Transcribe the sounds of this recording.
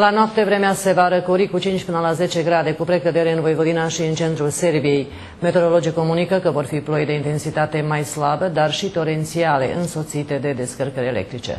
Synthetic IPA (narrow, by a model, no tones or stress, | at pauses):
lanoap̚t̪e̞vɾe̞mease̞vaɾəkoɾikut͡ʃint͡ʃʲpɨnəlaze̞t͡ʃe̞ɡɾad̪e̞kupɾe̞kəd̪e̞ɾeɨnvojvəd̪inaʃiɨnt͡ʃe̞nt̪ɾulse̞rbije̞j | me̞t̪eɾo̞lo̞d͡ʒiko̞munikəkəvo̞rfiplo̞jd̪e̞int̪e̞nsit̪at̪e̞majslabəd̪arʃit̪o̞ɾe̞nt̪siale̞̰ʔɨnso̞t̪sit̪e̞d̪e̞d̪e̞skərkəɾele̞̰k̚t̪ɾit͡ʃḛ